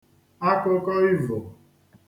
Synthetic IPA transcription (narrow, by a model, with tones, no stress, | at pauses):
a˦ko˦kɔ˦i˦vo˨